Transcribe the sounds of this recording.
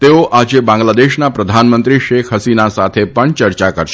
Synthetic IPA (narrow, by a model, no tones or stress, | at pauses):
t̪eoʔad͡ʒebãŋɡlad̪eʃnapɾəd̪ʱanmənt̪ɾiʃekʰɦəsinasat̪ʰepəɳt͡ʃəɾt͡ʃakəɾʃ